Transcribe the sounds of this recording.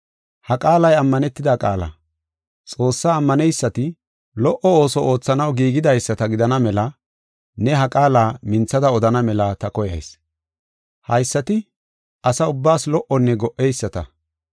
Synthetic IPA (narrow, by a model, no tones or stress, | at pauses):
hɐkʼaːlɐjɐmːɐnɛt̪ːɪd̪akʼaːlɐ̰ | t͡sʼo̞ːsːaːmːɐnɛjsːɐt̪ɪ | lɔʔɔo̞ːsɔʔo̞ːt͡sːɐnɐwɡiːɡɪd̪ɐjsːɐt̪ɐɡɪd̪ɐnɐmɛlɐ | nɛɦɐkʼaːlaːmɪnt͡sːɐd̪ɐɔd̪ɐnɐmɛlɐt̪ɐkɔjɐ̰js | hɐjsːɐt̪ɪ | ʔɐsɐʊbːaːslɔʔɔnːɛɡɔʔɛjsːɐt̪ɐ